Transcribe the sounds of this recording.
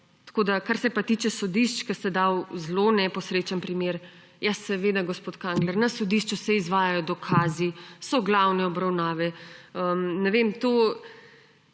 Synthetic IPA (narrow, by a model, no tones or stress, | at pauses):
t̪ḁkod̪akaɾsɛpat̪it͡ʃɛsɔd̪iʃt͡ʃkɐst̪ɛd̪awzlonɛpɔsɾet͡ʃanpɾimeːɾ | jasɛʋed̪aɡospoːt̪kaŋɡlɛɾnɐsɔd̪iʃt͡ʃusɛizʋaːjajɔd̪ɔkʰaːzisɔɡlawnɛɔbɾawnaːʋɛəmnɛʋemt̪oː